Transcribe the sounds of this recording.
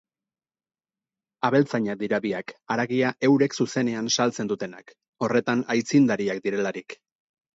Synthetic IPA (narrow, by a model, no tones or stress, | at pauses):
aβe̞lt͡saɲak̚d̪iɾaβiakaɾaɣiaʔe̞wɾe̞ksuse̞ne̞ansalt͡se̞nd̪ut̪e̞na̰k | o̞re̞t̪anajt͡sind̪aɾiak̚d̪iɾe̞laɾik